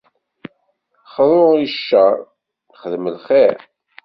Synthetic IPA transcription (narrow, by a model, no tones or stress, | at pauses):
χðˤoiʃːæ | χəðməlχeɾ